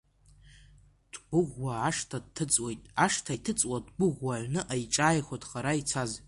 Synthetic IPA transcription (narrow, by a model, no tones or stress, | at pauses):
d̥ɡʷʊʁʷːaːʂtʰad̚tʰːɨt͡sʼwejtʼaʂtʰajtʰɨt͡sʼwadɡʷʊʁʷwaʕɥnɨʔajʈ͡ʂʼaːjχʷadχaɾait͡sʰaz